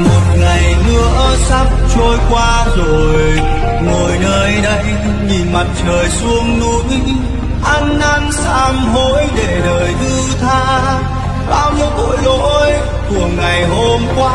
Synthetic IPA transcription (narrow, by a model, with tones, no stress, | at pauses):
mo˨˩t̚ŋa˨˩jnɨ˧əsa˦˥p̚t͡ɕo˧jkwaː˧zo˨˩j | ŋo˨˩jnəː˧jɗə˧j | ɲi˨˩ma˨˩t̚t͡ɕəː˨˩jsu˧əŋnu˧˦ŋ | ʔa˧nʔa˧nsaː˧mɦo˧˦jɗe˧˩ɗəː˨˩jɗ̪ɨ˧t̪ʰaː˧ | ɓaː˧wm˨˧˦ko̰˧˥˦jɗo˧˥j | ku˧˨˩əŋa˨˩jho˧mkwaː˧˥